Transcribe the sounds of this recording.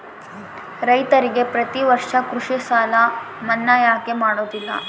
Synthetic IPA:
ɾɐjt̪ɐɾiɡe̞pɾɐt̪iʋɐɾʂɐkɾuʂisaːlɐ | mɐnːajaːkemaːɽoːd̪ilːɐ̰

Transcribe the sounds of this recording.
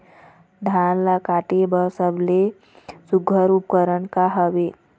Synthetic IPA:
ɖʱanlakaʈebəɾsəble | suɡʱəɾup̚kəɾənkaɦəʋe

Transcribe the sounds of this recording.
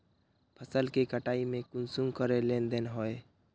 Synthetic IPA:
pʰəsəlkekəʈaːimẽkunsuŋkəɾelend̪enɦoe

